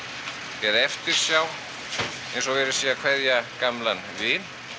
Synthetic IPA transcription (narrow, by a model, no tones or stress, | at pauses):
cɛːðɛft̪ɪɾ̥sjaːw | ejnsɔvɛɾɪ̥siːakʰvɛðjakamlanvɪːn